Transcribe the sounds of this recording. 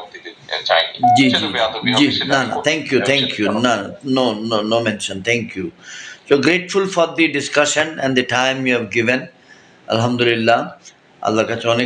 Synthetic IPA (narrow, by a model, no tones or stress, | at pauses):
d͡ʒiːd͡ʒid͡ʒiːnana̰t̪ʰɛ̃ŋkjut̪ʰɛ̃ŋkjunananoːnonoːmɛ̃nʃə̃nt̪ʰɛ̃ŋkjusoːɡɾeːʈfʊlfɔɾd̪iɖɪskʌʃə̃nɛ̃nd̪iʈãɪ̃mjuɛʋɡɪʋə̃n | ɐ̰lɦɐ̃md̪ʊlɪlːa | ɐ̰lːakat͡ʃõːne